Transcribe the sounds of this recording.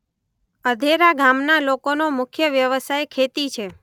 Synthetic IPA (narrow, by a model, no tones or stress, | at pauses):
əd̪ʱeɾaɡʱamnalokonomʊkʰjəʋjəʋəsajkʰet̪it͡ʃʰe